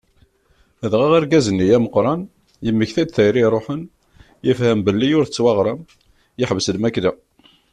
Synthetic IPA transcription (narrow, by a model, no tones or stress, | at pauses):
əðʁæʁæɾɡæzənːijæməqːɾˤɑn | jəmːəçθæd̪θæjɾiɾˤoħən | jəfhəmbəlːijʊɾθət͡sːwɑʁɾˤɑm | jɪħvəslmækd̪æ